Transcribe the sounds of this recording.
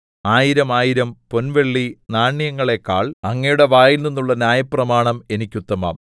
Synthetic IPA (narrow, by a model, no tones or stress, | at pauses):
aːjiɾɐmaːjiɾɐmpo̞nʋe̞ɭːinaːɳːjɐŋːɐɭe̞kaːɭɐŋːɐjuɽe̞ʋaːjilninːuɭːɐnʲjaːjɐprɐmaːɳɐme̞nikʲːut̪ːɐmɐ̰m